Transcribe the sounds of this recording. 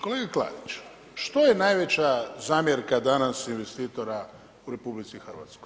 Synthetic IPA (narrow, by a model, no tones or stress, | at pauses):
ko̞leɡaklˠa̰ːd̪it͡ʃ | ʃt̪ojenajʋe̞t͡ɕazaːmje̞ɾkad̪anasinʋe̞st̪iːt̪o̞ɾa | uɾe̞publit̪sixərʋa̰t̪skoj